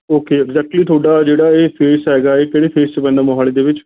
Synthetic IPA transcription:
oːkeːɛɡzɛːk̚ʈliːt̪ʰoːɖaːd͡ʒeːɽaːeːpʰeːsɦɛːɡaːeːkɛːɽeːpʰeːst͡ʃəpɛ̃ːnd̪aːmoɦaːleːd̪eːʋɪt͡ʃ

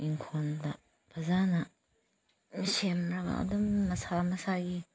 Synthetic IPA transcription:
iŋkʰondɐ | b̥ʰɐzanɐ | msemɾɐɡa̰ʔɐ̰dumːɐsamɐsaɡi

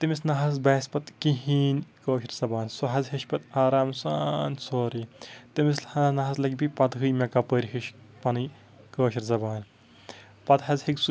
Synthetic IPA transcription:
t̪ɨmisnɐɦɐz̬bɐːspɐt̪kiɦiːnʲkoːʃiɾzɐbaːnsoɦɐzʲɦiʃpɐt̪aːɾaːmsaːnsoːɾit̪imislhɐnɐɦɐslɐkʲbipɐt̪ɦɨjmʲekɐpəːɾʲɦiʃ | pɐnɨ | koːʃɐɾzɐbaːn | pɐt̪ɦɐzʲhiks

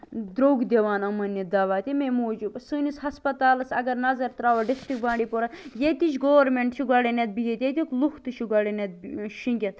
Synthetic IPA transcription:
d̪ɾoːɡd̪ʲeʋaːnɐmɐnːid̪aːʋaːt̪ʲimemoːd͡ʒubsɨnisɦɐspɐt̪aːlɐsɐɡɐɾnɐzɐɾt̪ɾaːʋɐɖisʈɾik̚bãːɳɖipoɾɐjet̪it͡ʃɡoːɐɾmeɳʈt͡ʃʰiɡɐɽenʲɐt̪̚biɦʲet̪ʲjet̪ʲiklukʰt̪ɨʃʰiɡɐɽenɐt̪̚ʃĩŋɡʲɐt̪

